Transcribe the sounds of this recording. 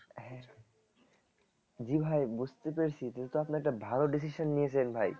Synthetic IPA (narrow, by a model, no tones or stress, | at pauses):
ɦɛ̃ | d͡ʑibʱajbud͡ʑʱt̪epeɾt͡ɕʰit̪it̪at̪oapnaɛkʈabʱaloɖis̬iʃonːijet͡ɕʰilenbʱaj